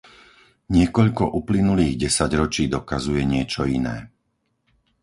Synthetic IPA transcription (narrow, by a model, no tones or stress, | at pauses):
ɲɪɛkɔʎkɔʔuplinuliːɣɟɛsaɟɾɔt͡ʃiːd̪ɔkazujɛɲɪɛt͡ʃɔinɛ̰ː